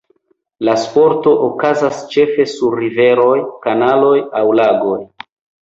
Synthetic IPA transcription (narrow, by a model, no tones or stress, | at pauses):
laspo̞ɾto̞ʔokazast͡ʃe̞fe̞suɾːive̞ɾo̞jkanalo̞jawlaɡo̞j